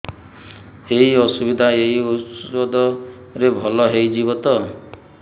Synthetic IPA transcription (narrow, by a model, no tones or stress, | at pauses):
eɦiɔsubid̪ʱaeɦiuswɔd̪ʱɔ | ɾebʱɔlɔɦejd͡ʒiβɔt̪ɔ